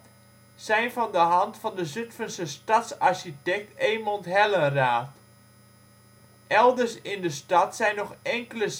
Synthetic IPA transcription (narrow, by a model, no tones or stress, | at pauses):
sɛjnvɑndəɦɑntfɑndəzʏtfənsəstɑtsaɹʃitɛk̚teːmɔntɦɛlənraːt | ʔɛlˠdərsɪndəstɑtsɛjnːɔχɛŋkələ